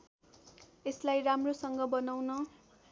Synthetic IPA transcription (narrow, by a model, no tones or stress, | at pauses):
eslajramrosʌŋɡʌbʌnawnʌ